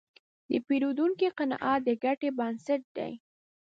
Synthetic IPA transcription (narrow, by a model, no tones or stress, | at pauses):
d̪əpeɾod̪uŋkiqanɑ̰ʔɑt̪̚d̪əɡaʈebɑnsaʈ̚d̪a̰j